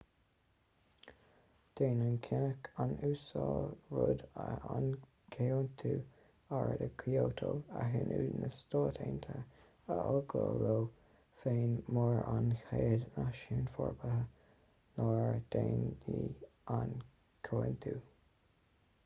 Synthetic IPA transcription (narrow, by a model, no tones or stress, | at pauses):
d̪̥eːnənkʰɪnəkʰanuːsɑːlɹʊd̪əan | kʰent̪ʰuː | aɹədəkʰioːt̪ʰoaɦənuːnəstoːtʰeːnt̪ʰəɹ | əʔɔɡoːloː | feːnmɔɹanxeːd̪naʃuːnfɔɹbəɦə | nɑɹd̪̥eni | an | kʰoːənt̪ʰuː